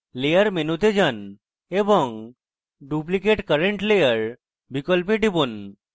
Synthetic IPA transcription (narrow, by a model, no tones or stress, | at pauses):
lejəɾmenut̪ed͡ʑən | ebɔŋ | ɖuplikeʈkəɾeɳʈlejəɾ | bʱikəlpiʈibun